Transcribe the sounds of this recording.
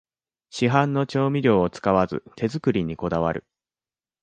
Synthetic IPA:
ɕiɦãnːo̞t͡ɕo̞ːmʲiɾʲo̞ːot͡sɨ̥kaβazɨ̰t̪ʰe̞zɨkɯ̟ɾʲiɲ̟iko̞d̪aβaɾɯ̟

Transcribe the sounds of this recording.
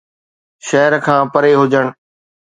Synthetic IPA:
ʃɛɦəɾkʰãːpɐɾeɦʊd͡ʑəɽ̃

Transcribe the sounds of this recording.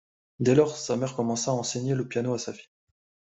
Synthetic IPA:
d̪ɛlɔʁsamɛʁkɔmɑ̃saːɑ̃seɲeləpjanoasafi̥

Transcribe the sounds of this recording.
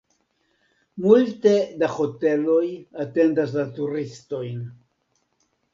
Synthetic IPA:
multe̞daho̞te̞lo̞jate̞ndas̬latuɾisto̞jn

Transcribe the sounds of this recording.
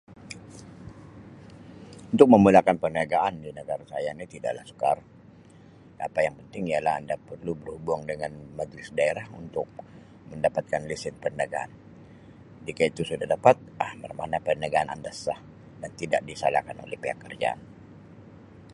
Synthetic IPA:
unt̪ʊk̚məmulakanpərnaɡaʔandinəɡaɾasajanit̪ida̰ʔla̰hsə̥kar | a̰pajaŋpənt̪ɪŋijalaha̰ndapərlubərhubaŋdəŋanmad͡ʒɾɪsdaeɾahunt̪ʊk̚ | məndapat̪̚kanlisɪt̪̚pənəɡaʔa̰n | d͡ʒikait̪usudahdapat̪̚ʔabərmanapənəɡaana̰ndasah | dant̪idaʔdisa̰la̰hkano̰lɛ̰hpeɦakːərd͡ʒa̰n

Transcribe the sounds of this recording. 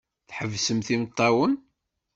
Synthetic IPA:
θħəvːsəmθimt̪ˤːɑwən

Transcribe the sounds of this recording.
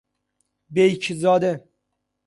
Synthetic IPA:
bejcʰzɒːd̪e

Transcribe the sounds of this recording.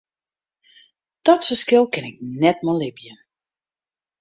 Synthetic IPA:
d̥ɔtfərskɪlˠkɪnɪk̚nɛtmɔlɪpjə

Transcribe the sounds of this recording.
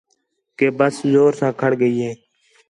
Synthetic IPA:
keːbəszoːɾsãːkʰəɽɡəiːɦẽː

